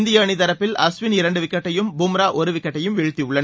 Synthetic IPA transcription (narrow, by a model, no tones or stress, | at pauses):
nd̪ɪjɐɳit̪ɐɾɐpːɪlɐsʋɪnɪɾɐɳɖɯʋɪkːɐʈːɐjɯmbʊmɾaːʔɔɾɯʋɪkːɐʈːɐjɯmʋɛɻɯt̪ːiʊɭːɐn